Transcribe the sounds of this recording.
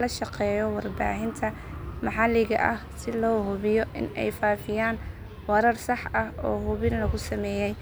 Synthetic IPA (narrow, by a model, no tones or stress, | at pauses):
lɐʃɑqɛːjɔwɑrba̰ːɦɪnt̪ʰɐ | mɑħɑlɪɣɐʔɐhsɪlɔːɦʊβɪjɔʔɪ̰nɛ̰jfaːfɪjaːn | wɐɾɐrsɑħɐhɔːɦʊβɪnlɐɣʊsɐmɛːjɛj